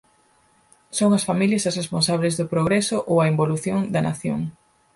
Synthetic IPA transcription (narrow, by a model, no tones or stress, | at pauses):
soŋɐsfamiljɐsɐsresponsaβ̞lezðʊpɾoɣɾesʊʔowɐemboluθjoŋd̪ɐna̰θjo̰ŋ